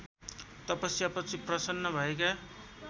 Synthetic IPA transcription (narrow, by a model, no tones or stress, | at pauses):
t̪ʌpʌsiapʌt͡sʰiprʌsʌnːʌbʱʌeka